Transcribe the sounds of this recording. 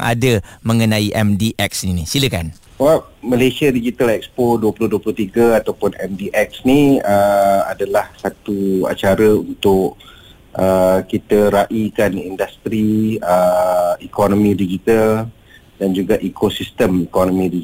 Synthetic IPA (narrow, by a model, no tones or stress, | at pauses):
ʔa̰dəməŋənaiʔɛmdiʔɛk̚sninisiləkan | waməlasiadid͡ʒit̪alɛk̚spoduəpulʊhduəpulʊht̪iɡəat̪awpʊnɛ̰mdiʔɛk̚sniəa̰dalahsat̪ua̰t͡ʃaɾəunt̪ʊʔ | ʔəkit̪əɾaʔikanindast̪ɾiəikɔnomĩdid͡ʒit̪al | dand͡ʒuɡaʔikosist̪əmikɔnomĩdi